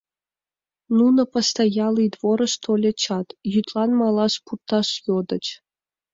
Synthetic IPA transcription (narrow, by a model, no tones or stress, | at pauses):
nunɤ̆post̪ɑjɑlˠid̪ʋoɾɤ̆ʂt̪ʰolʲĕt͡ɕɑt̪jyt̪lˠɑnmɑlˠɑʂpurt̪ɑʂjod̪ɤ̆t͡ɕ